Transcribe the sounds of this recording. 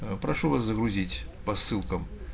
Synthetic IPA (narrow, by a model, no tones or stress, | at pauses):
pɾaʂuvaszəɣɾuzʲit͡sʲpɐsːɨlˠkɐm